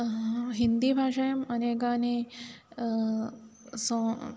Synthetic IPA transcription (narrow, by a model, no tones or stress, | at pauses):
ɦind̪ibʱaːʂɐjɐmɐneːkaːni | so